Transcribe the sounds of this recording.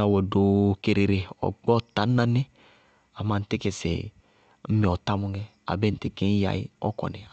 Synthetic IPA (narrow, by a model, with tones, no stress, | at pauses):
a˨wɔ˨do˨ke˨ɾe˨ɾe˨ɔ̰˨ɡ͡bɔ˦ɔ˦ta˨˦na˦ne˦ | a˨ma˨n̩˨te˦ke˨sḛ˨ | m̩˦mi˨ɔ˨ta˦mu˦ŋɛ˦ | a̰˨be˦n̩˨ti˦ke˦n˦ja̰˨ḭ˦ɔ̰˦kɔ̰˨ne˨